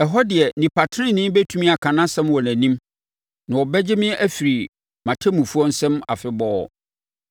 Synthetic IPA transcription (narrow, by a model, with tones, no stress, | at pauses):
ɛ˨ɦɔ˦dɪ˨ɛ˨nĩ˨pa˨tʰɪ˦ɪ̃˦nɪ̃˦m˦bɛ˦tʰu˦mĩ˦a˨kʰã˨nã˦sɛ̃˦mwɔ˨næ̃˨nĩ˦m | nã˨ɔ˨bɛ˦d͡ʑɪ˦mɪ̃˦ʔæ˦fi˨ɾi˨ | mã˨tʰæ˦mũ˨fu˦ɔ˦n̩˦sɛ̃˦ma̰˨fɪ˦bɔ˦ɔ̰˨